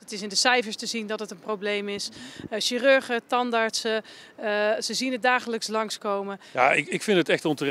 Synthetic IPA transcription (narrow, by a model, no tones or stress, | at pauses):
ətɪsɪndəsɛjfəɹstəzindɔtətənprowblejmɪsʃirøɹχətɑndaɹtsə | səziənət̚daːχələkslɑŋskowməjaɪkɪkfɪntətɛχtɔntər